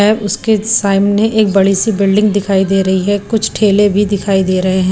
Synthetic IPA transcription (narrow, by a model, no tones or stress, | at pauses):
ɛːbʊskesaːɪmneʔeːk̚bɐɽisibɪlɖɪ̃ŋɡd̪ɪkʰaːid̪eːɾɐɦiɦɛkʊt͡ʃʰʈʰeːlebʱid̪ɪkʰaːid̪eːɾɐɦeɦɛ̃